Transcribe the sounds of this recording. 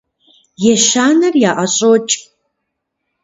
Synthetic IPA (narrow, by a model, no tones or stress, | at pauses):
jɛʃaːnɐrjaːʔɐɕʼot͡ʃʼ